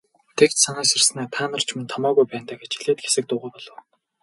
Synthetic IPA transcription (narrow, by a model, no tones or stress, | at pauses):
t̪ʰekt̪saniːsersnæːt̪ʰaːnə̆r̥t͡ɕʰment̪ʰɔmɔːɣujpæːnt̪aːɡet͡ɕiɮeːt̪xe̥sɘ̆k̚t̪ʊːʁuːjpɔɮɞ̆w